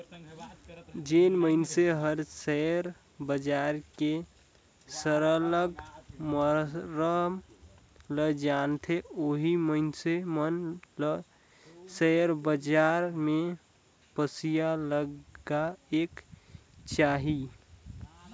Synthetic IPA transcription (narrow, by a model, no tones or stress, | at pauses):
d͡ʒenməɪnseɦəɾsɛɾ | bəd͡ʒaɾke | səɾələɡməɾəɦm | ləd͡ʒant̪ʰeoɦiməɪnsemənl | sɛɾbəd͡ʒaɾme | pəsijaləɡaek | t͡ʃaɦi